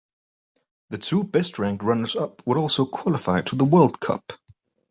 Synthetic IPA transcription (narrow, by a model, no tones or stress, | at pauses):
ðətʰuːbɛstɹæ̃ŋkɹʌ̃nəzʌp̚wəɾɔˑlˠsoʊkʰw̥ɒlɪfaɪtʰəðəwɜːlˠdkʰʌ̰p